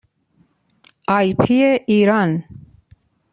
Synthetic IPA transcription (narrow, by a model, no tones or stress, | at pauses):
ajpʰieʔiɾan